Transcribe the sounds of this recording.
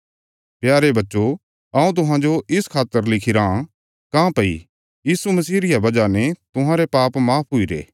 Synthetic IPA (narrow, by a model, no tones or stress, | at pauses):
pjaːɾebɐtːʃo | ɐũt̪ʊɦãd͡ʒoʔɪskʰaːt̪ːəɾlɪkʰiɾa | kãːpɐḭ | jiːsumɐsiːɾɪjabɐd͡ʒanet̪ʊɦãɾepaːpmaːpʰɦʊiɾḛː